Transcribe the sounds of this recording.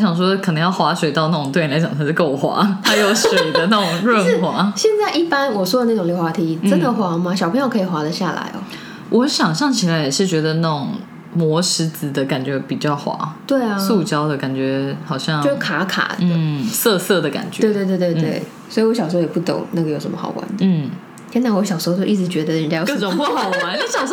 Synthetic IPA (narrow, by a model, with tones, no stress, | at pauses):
ɕjɑ˨˩ŋʂwɔ˥kʰə˨˩nɤ˧˥ŋjɑ˥˩ʊxwa˧˥ʂwe˨˩ɪɑ˥˧ʊna˥˩ʈ͡ʂʊ˨˩ŋt̪we˥˩˨la˧˥ɪt͡ɕjɑ˨˩ŋt̪ʰa˥ʂ̩˥˧ko˥˩ʊ˩xwa̰˧˥t̪ʰa˥jo˨˥˩ʊʂwe˨˩ɪə˦na˥˩ʈ͡ʂʊ˨˩ŋɻə˥˩n˥xwa˧˥ɕjɛ˥˧nt͡sa˥˧ɪʔi˥˩pa˦nwɔ˨˩ʂwɔ˥də˧na˥˩ʈ͡ʂʊ˨˩ŋljo˧˥ʊxwa˧˥t̪ʰi˧˥˩ʈ͡ʂə˦nd̪ə˨xwa˧˥ma˧ɕjɑ˨˩pʰə˧˥jo˥˩kʰi˨˩xwa˧˥lə˨ɕja˥˩la̰˧˥ɪɔ̰˧ | wʔɔ˧˦ɕjɑ˨˩ŋɕɑ˥˩ŋt͡ɕʰi˨˩la˧˥ɪjɛ˨˩ʂɻ̩˥˩t͡ɕɥɛ˧˥d̪ə˧na˥˩ʈ͡ʂʊ˨˩ŋ | mwɔ˧˥ʂɻ̩˧˥t͡sɹ̩˨˩d̪ə˨ka˨˩nt͡ɕɥɛ˧˥pi˨˩t͡ɕjɑ˥˩ʊxwa̰˧˥˦t̪we˥˩ɪa˨su˥˧t͡ɕjɑ˥ʊd̪ə˨ka˨˩nt͡ɕɥɛ˧˥hɑ˨˩ʊɕjɑ˥˧ŋo˥ʂkʰa˧˥kʰa̰˨˩d̪ə˦˩sɤ˥˧sɤ˥˩d̪ə˩ka̰˨˩nt͡ɕɥɛ˧we˥˧t̪we˥˧t̪wt̪we˥˧t̪we˥˩ɪ | swɔ˧˥i˨˩wɔ˧˥ɕɑ˨˩ʂo˥o˥jɛ˨˩pu˥˩t̪o̰˨˩˦ŋna˥˩ɡə˩jo˧˥ʂə˧˥mə˧xɑ̰˨˩ʊwʔa̰˧˥nd̪ən̩˧˥˩ | t͡ɕʰjna˧˥˩wɔ˧˥ɕjɑ˨˩ʊʂo˧˥˧t͡ɕjo˥˧˦i˥˩ʈ͡ʂ̩˧˥t͡ɕɥɛ˧˥d̪ə˧˥˩t͡ɕjʈ͡ʂʊ˨˩pu˥˧xɑ˨˩ʊwa˧˦˥ɕjɑ˨˩ʊʂ